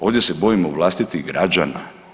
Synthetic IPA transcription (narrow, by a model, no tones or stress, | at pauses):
o̞ːʋd̪ʲje̞se̞bo̞imoʋlˠast̪it̪iɣɡɾad͡ʒa̰na̰